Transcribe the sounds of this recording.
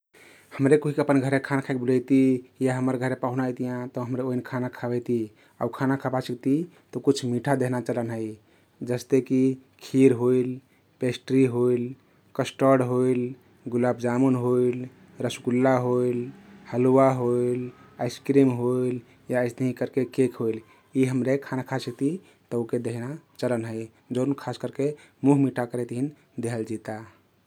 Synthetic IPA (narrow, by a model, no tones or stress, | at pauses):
həmɾekoɦikeəpənɡʱəɾekʰanakʰajk̚buləjt̪ijaɦəməɾɡʱəɾepaɦunaəjt̪ijãt̪ɔɦəmɾeoinkʰanakʰabəjt̪i | a̰ukʰanakʰapasəkt̪i | t̪ɔkut͡ʃʰmiʈʰad̪eɦnat͡ʃələnɦəj | d͡ʒəst̪ekikʰiɾɦoil | pesʈɾiɦoil | kəsʈəɽɦoil | ɡulabd͡ʒamunɦoil | ɾəsuɡulːaɦolhəluwaɦoilajskɾimɦoil | jaːsd̪əɦĩkəɾkekekɦoil | iɦəmɾekʰanakʰasit̪i | t̪əoked̪eɦnat͡ʃələnɦəj | d͡ʒəʊnkʰaskəɾkemuɦmiʈʰakəɾet̪ɦin | d̪eɦəld͡ʒit̪a